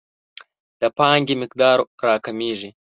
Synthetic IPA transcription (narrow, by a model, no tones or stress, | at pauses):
d̪̥əpɑːŋɡimɪkd̪ɑːɾɾaːkɐmiːʐi